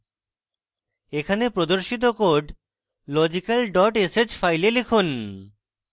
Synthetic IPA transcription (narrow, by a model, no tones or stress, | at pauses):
ekʰanepɾod̪oɾʃit̪̬okoɖ | lɔd͡ʑikalɖɔʈesed͡ʑfajlelekʰon